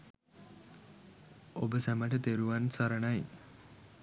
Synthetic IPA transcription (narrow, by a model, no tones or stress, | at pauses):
obəsæməʈət̪eɾuʋansaɾəɳaj